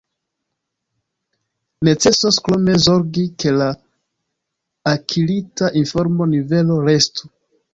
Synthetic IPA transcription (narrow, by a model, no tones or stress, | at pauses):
ne̞t͡se̞soskɾome̞zo̞ɾɡike̞la | kʰilitaʔinfo̞ɾmo̞nive̞lo̞ɾe̞stu